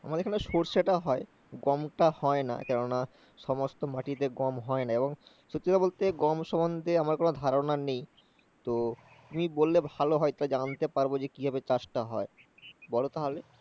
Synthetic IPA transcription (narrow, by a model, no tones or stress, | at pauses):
a̰maɾdeɾkʰaneʃoɾʃeʈaɦɔe | ɡɔmʈahɔena̰kɛnona | ʃɔmost̪omaʈit̪eɡɔmɦɔenaeboŋʃot̪ːɾot̪abolt̪eɡɔmʃɔbond̪ʱeamaɾkonod̪ʱaɾonanej | t̪o | t̪umibolːebʱaloɦɔet̪uɾad͡ʑant̪epaɾbod͡ʑekibʱabet͡ɕaʃʈaɦɔe | bɔlot̪aɦale